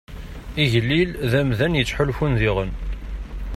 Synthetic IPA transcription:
iʝəlːilðæmðænjət͡sːħʊlfunðiʁən

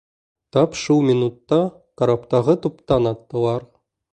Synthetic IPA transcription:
t̪ɑpʃulˠmʲinut̪ːɑ | kɐɾapt̪ɑʁɤt̪upt̪ɑnɑt̪ːɤ̆lˠɑɾ

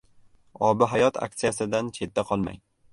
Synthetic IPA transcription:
ɒbɪɦajɒt̪ʰa̰k̚t̪sijasɪd̪ant͡ʃʰe̞t̪̚ːaqʰɒlˠma̰j

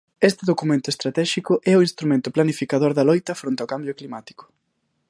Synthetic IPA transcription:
est̪ɪðokumẽnt̪ʊest̪ɾat̪ɛʃikʊʔɛʊinst̪ɾumẽnt̪ʊplanifikað̞oɾðɐlojt̪ɐfɾont̪aokambjʊklimat̪i̥kʊ̥

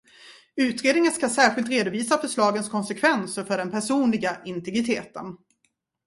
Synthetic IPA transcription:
ʉ̟ːt̪ɾeːd̪nɪŋənskasæːɾɧɪlt̪ɾeːd̪ʊviːsafœʂlɑːɡənskʰɔnsɛkʰvɛnsəɾfœɖɛnpʰæʂuːnlɪɡaʔɪnt̪ɛɡɾɪt̪ʰeːt̪ən

